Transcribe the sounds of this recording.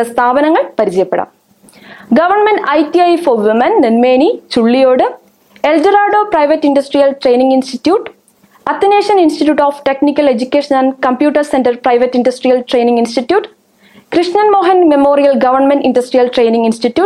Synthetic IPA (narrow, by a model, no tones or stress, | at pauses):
ɐst̪ʰaːbɐnɐŋːɐɭpɐɾit͡ɕɐjɐpːeɽɐ̰m | ɡɐʋɐrɳmenɖɐjt̪iɐjfoːʋumɐnːenmeːnit͡ɕuɭːijoːɽɨ | eld͡ʑɐɾaːɖoːprɐjʋɐtːindɐsʈrijɐlʈre̞ːjniŋɡinstitːjuːʈː | ɐt̪ːineːʂɐninstitjuːʈːoːfʈeknikʲːɐle̞d͡ʑukʲːeːʂɐnaːnkɐmpjuːʈːɐrsendɐrprɐjʋɐtːindɐsʈrijɐlʈre̞jniŋɡinsʈitːjuːʈː | krɨʂɲɐnmoːɦɐnmemoːrijɐlɡɐʋɐrɳmenindɐsʈrijɐlʈre̞jniŋɡinsʈitjuː